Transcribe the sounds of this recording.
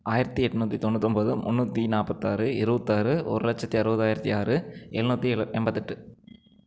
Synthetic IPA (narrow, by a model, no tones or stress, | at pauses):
aːjɪɾɐt̪ːiɛʈːɯnuːt̪ːit̪ɔnːɯt̪ɔmbɐðɯmʔʊnːuːt̪ːinaːpɐt̪ːaːɾɯɪɾɯbɐt̪ːɯaːɾɯʔɔ̰ɾɯlɐt͡ʃːɐt̪ːiɐɾɯbɐðɯaːjɪɾɐt̪ːiaːɾɯɛːɻnuːt̪ːiɛɛmbɐt̪ːɛʈːɯ